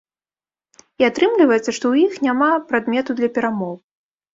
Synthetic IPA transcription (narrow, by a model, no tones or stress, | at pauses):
iat̪ɾɨmlʲivɐjɛt̪sɐʂt̪ɔwjixnʲamapɾad̪mʲɛt̪ud̪lʲɐpʲɛɾamɔw